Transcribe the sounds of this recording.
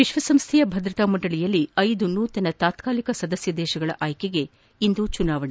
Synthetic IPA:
ʋiʃʋɐsɐmst̪ʰɛjɐbʱɐd̪ɾɐt̪aːmuɳʈɖɐɭijɐlːiɐjd̪unuːt̪ɐnɐt̪aːt̪kaːlikɐsɐd̪ɐsjɐd̪ɛːʃɐɡɐɭɐ̰ʔaːjkeɡe̞ | ind̪ut͡ʃunaːʋɐɳe

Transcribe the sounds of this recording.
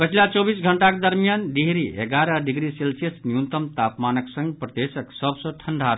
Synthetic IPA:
pət͡ʃʰilat͡ʃɔbisɡʱəɳʈakd̪əɾmijanɖiɦɾieɡaɾəɖiɡɾiselsijəsnijunt̪əmt̪apmanəksə̃ŋɡpɾəd̪esəksəbsə̃ʈʰəɳɖʱa

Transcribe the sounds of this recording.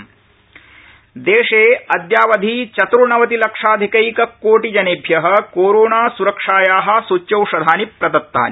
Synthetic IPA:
d̪eːʂeːɐd̪jaːʋɐd̪ʱit͡ʃɐt̪ɾuɳɐʋɐt̪ilɐkʂaːd̪ʱikɐjkɐkoːʈid͡ʒɐneːbʱjɐɦɐ̆koːɾoːnaːsuɾɐkʂaːjaːɦɐ̆sut͡ʃːt͡ʃɐwʂɐd̪ʱaːnipɾɐd̪ɐt̪ːa̰ːni

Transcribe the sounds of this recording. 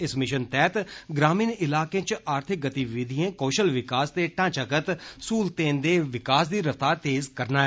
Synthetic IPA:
ɪsmɪʃənt̪ɛːt̪ɡɾaːmiːnɪlaːkẽːt͡ʃaːɾt̪ʰɪk̚ɡət̪iʋɪd̪ʱiẽːkoːʃəlʋɪkaːst̪eːʈãːt͡ʃəkət̪suːlt̪ẽːnd̪eːʋɪkaːsd̪iːɾəft̪aːɾt̪eːzkəɾnaːɛː

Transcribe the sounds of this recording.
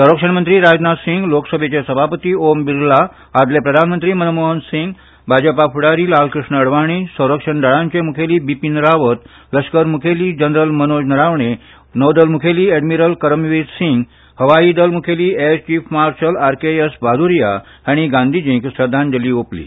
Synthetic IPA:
səwɾəkʂəɳmənt̪ɾiːɾad͡ʑnat̪siŋɡloksəbʱet͡ɕesəbʱapət̪iːombiɾlaː | d̪lepɾəd̪ʱanmənt̪ɾiːmənmoɦənsiŋɡ | bʱad͡ʑəpafʰuɽaɾiːlalkɾiʂɳəːɽʋaɽ̃iːsə̃w̃ɾəkʂəɳɖəɭãɲt͡ɕemukʰeliːbipinɾaʋət̪ | ləskəɾmukʰeliːd͡ʑənɾəlmənod͡ʑnəɾaʋɳe | nəʋd̪əlmukʰeliːeɖmiɾəlkəɾəmʋid̪siŋɡ | həʋaiːd̪əlmukʰeliːet͡ɕiːfmaɾsəlaɾkeesbad̪uɾija | aɽ̃iɡãnd̪ʱid͡ʑĩŋksɾəd̪ʱːãnd͡ʑəliːoplḭː

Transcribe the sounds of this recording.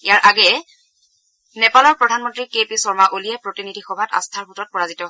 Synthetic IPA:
ijaɹʔaɡɛ | nɛpalɔɹpɹɔdʱanmɔntɹikepisɔɹmaʔolijɛpɹotinidʱixɔbʱata̰stʰaɹɦutɔt̚pɔɹazitɔ

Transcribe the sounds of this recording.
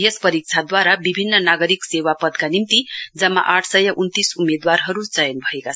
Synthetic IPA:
jespʌɾik̚t͡sʰad̪waɾabibʱinːʌnaɡʌɾiksewapʌd̪kanimt̪id͡zʌmːa̰ʔaʈʰsʌjʌʔunt̪isumed̪warɦʌɾut͡sʌjʌnbʱʌekat͡sʰʌ

